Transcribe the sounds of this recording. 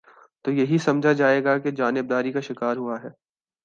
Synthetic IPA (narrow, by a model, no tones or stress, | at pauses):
t̪oːjɐɦisɐmd͡ʒʱad͡ʒaːeːɡaked͡ʒaːnɪb̚d̪aːɾikaʃɪkaːɾɦuaɦɛː